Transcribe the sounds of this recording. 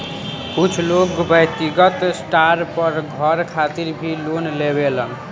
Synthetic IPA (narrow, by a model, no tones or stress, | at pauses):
ut͡sʰloɡbʌjt̪iɡʌt̪sʈaɾpʌɾɡʱʌɾkʰat̪iɾbʱilonlebelʌn